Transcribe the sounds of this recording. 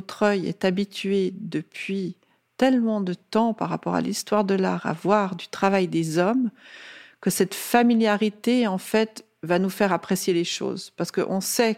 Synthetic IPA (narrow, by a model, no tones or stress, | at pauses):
t̪χœjɛ̰t̪abit̪yed̪əpʰɥi | t̪ɛlmɑ̃d̪ət̪ɑ̃paʁːa̰pɔ̰ʁa̰list̪waʁd̪əlaʁa̰vwaʁd̪yt̪χavajd̪ezɔm | kəsɛt̪familjaʁit̪eɑ̃fɛt̪ | vanufɛʁapχesjeleʃo̰ːzpaʁsə̥kə̰ʔɔ̃sɛ